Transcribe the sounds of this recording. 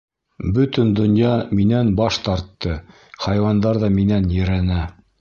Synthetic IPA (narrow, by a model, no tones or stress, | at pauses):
bɵt̪ɘ̆nd̪ŏnjɑminænbɑʃt̪ɑɾt̪ːɤ | χɑjwɑnd̪ɑɾðɑminænjɘ̆ɾænæ